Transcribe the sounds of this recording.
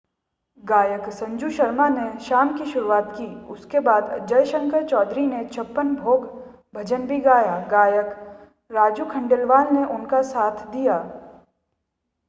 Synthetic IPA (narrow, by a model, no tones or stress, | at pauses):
ɡaːjəksɐ̃ɲd͡ʒuʃəɾmaneʃaːmkiʃʊɾuaːt̪kiːʊskebaːd̪d͡ʒəjʃə̃ŋkəɾt͡ʃɔːd̪ɾinet͡ʃʰɐpːənbʱoːɡ | bʱɐd͡ʒənbʱiɡaːjaɡaːjək | ɾaːd͡ʒukʰɐ̃ɳɖelʋaːlneʔʊnkasaːt̪ʰd̪ijaː